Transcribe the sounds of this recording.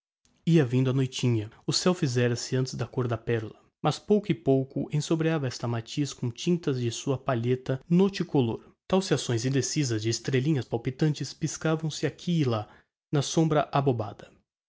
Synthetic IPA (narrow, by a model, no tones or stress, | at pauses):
iɐvĩnd̪ʊɐnojt͡ʃĩɲɐʊsɛwfizɛɾɐsɪɐ̃nt͡ʃɪzd̪ɐkoɾd̪ɐpɛɾulɐ | mɐspowkʊɪpowkʊʔḛ̃sobɾiavɐɛst̪ɐmat͡ʃiskõt͡ʃĩnt̪ɐzd͡ʒɪsuɐpaʎet̪ɐnot͡ʃɪkoloɾ | t̪awsɪasõj̃zĩnd̪esizɐzd͡ʒɪːst̪ɾelĩɲɐspawpit̪ɐ̃nt͡ʃɪspiskavɐ̃w̃sɪakʰiːla | nɐsõbɾɐʔaboba̰d̪ɐ